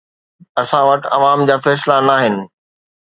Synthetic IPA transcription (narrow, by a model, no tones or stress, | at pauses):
ɐsãʋɐʈɐʋaːmd͡ʑaːfɛːslanaːɦɪnɪ̆